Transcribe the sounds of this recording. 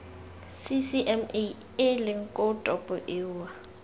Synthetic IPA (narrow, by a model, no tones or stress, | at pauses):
sisiʔɛme | elɪŋ̩kʼɔtʼɔpʼɔʔɪːwa